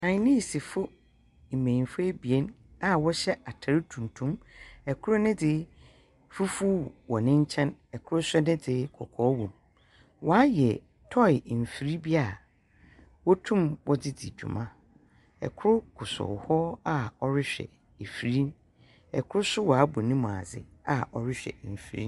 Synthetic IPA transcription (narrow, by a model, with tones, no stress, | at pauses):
nã˨ɲ˨˦nĩ˦˨si˨fʊ˦ | m̩˨mẽ˨fʊ˦e˦bi˨e˦n | a˨wɔ˦ɕɛ˦a˨tʰa˨ɾɪ˦tʰũ˨n˨tʰũ˦mɛ˨kʰʊ˦ɾʊ˦nɪ̃˦dɪ˨˦ | fu˦fu˦˨wɔ˨nɪ̃˦ɲ˦t͡ɕʰɛ̃˦nɛ˨kʰʊ˦ɾʊ˦sʊ˦nɪ̃˦dɪ˨kʰɔ̰˨kʰɔː˦wũ˨m | wɔ˨a˦jɛ˨ | tʰɔ˦˨ɪ˨m̩˨fi˨ɾi˦bi˦a˦˨ | wɔ˦tʰũ˦mwɔ˦dɪ˦dɪ̰˨d͡ʑᶣṵ˨mã˦ | ɛ̰˨kʰʊ˦ɾʊ˦kʰʊ˨sɔ̰˨hɔ˦a˦ɔ˦ɾɪ˦ɕᶣɛ̰˨ | e˨fi˨ɾĩ˦n | ɛ˨kʰʊ˦ɾʊ˦sʊ˦wɔ˨a˨˦bʊ˨nĩ˦mʊ̃˨a̰˨d͡zɪ̰˨a˨ʔɔ˨ɾɪ˦ɕᶣɛ̰˨m̩˨fi˨ɾḭ˦n